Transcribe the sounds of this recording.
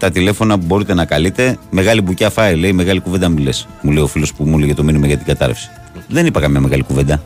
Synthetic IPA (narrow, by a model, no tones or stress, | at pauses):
t̪ɐt̪ile̞fo̞nɐpubo̞ɾit̪e̞nɐkɐlit̪e̞me̞ɣɐlibucɐfɐile̞ime̞ɣɐlikuve̞nd̪ɐmiles | muleio̞filo̞spumulʝɐt̪ominimɐʝɐt̪iɡɐt̪ɐ̰ɾɐ̰fsi̥ | ðe̞nipɐkɐmɲɐme̞ɣɐlikuve̞nd̪ɐ